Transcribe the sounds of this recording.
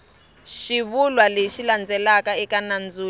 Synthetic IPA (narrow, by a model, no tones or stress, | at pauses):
ʃiβulwaleʃiland͡zɛlakaɛkanand͡zuː